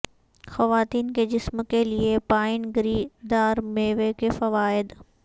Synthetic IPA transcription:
xɐʋaːt̪iːnked͡ʒɪsmkeliepaːɪnɡɾiːd̪aːɾmeːʋekefɐʋaːɪd̪

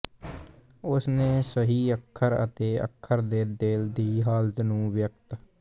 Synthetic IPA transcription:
ʊsneːsəɦiːəkʰːəɾə̰t̪eːə̰kʰːəɾd̪eːd̪eːld̪iːɦaːlt̪nũːʋjək̚t̪

